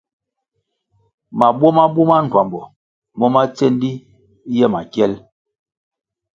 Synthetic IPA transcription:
ma˨bwɔ˦ma˦bu˦ma˦n˨twa˨mbɔ˨ | mɔ˦ma˦t͡sɛ˦n˦di˦ | jɛ˦ma˨kjɛ˦l

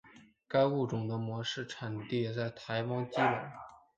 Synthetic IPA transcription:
ka˥ɪu˥˩ʈ͡ʂʊ˨˩ŋd̪ə˦mwɔ˧˥ʂɻ̩˥˩ʈ͡ʂʰa˨˩nt̪i˥˩˨t͡sa˥˩ɪt̪ʰa˧˥ɪwɑ˥ŋt͡ɕi˥wə˨˩˦

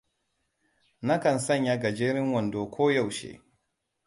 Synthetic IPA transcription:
na˦kɐ˨nsɐ˦˨ɲja˦ɡɐ˨d͡ʒeː˦ɾɪ˦ŋwɐ˨ndoː˨kʷoː˦ja˦˨wʃḛː˦

